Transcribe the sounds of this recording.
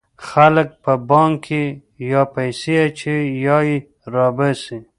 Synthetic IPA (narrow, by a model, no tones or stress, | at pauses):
xalək̚pəbɑŋkkːe | jɑpajseat͡ʃʰejɑi | ɾɑbasi